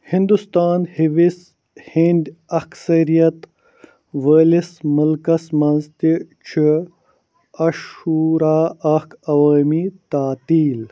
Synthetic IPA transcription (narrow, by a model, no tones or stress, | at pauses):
hind̪ust̪aːnhiʋis | hind̪ɐksɐɾijɐt̪ | ʋəːlismɐlkɐsmɐnzt̪it͡ʃʰi | ɐʃuːɾaːɐkɐwaːmit̪aːt̪iːl